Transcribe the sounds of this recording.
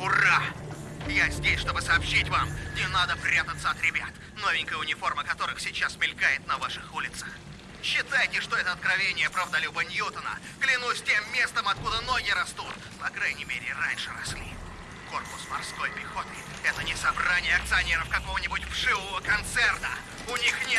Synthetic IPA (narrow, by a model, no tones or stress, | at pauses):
ʊra | jazʲdʲesʲʂt̪o̞bɨsɐːpɕːitʲvamnʲɪnad̪əpɾʲat̪ət̪sːəɐt̪ɾʲɪbʲat̪ | no̞vʲɪnŋʲkəjəʊnʲɪfo̞rməkɐt̪o̞ɾɨxsʲɪt͡ɕːasmʲɪlʲkajɪt̪̚nɐvaʂɨxulʲɪt̪sə̥x | ɕːɪt̪ajɪtʲɪʂt̪o̞ɛt̪əɐt̪kɾɐvʲenʲɪjəpɾavd̪ɐlʲubənʲjut̪ənə̰ | ɡlʲɪnusʲtʲe̞mːʲe̞st̪əmɐt̪̚kud̪əno̞ɡʲɪɾɐst̪ut̪ | pɐkɾajnʲɪmʲeɾʲɪ̰ɪranʲʂɨɾɐ̰sʲlʲi | ko̞rpʊsmɐrsko̞jpʲɪxo̞t̪ɨ | ɛt̪ənʲɪsɐbranʲɪjəɐk̚t̪sɨɐnʲeɾəfkɐko̞vənʲɪbʊtʲfʂɨvəvəkɐnt̪sɛrt̪ə | ʊnʲixnʲe